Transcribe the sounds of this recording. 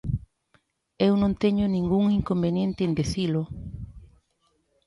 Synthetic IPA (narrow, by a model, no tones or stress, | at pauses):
ewnõnt̪eɲʊnĩŋɡuŋiŋkombenjẽnt̪ɪːnd̪eθilʊ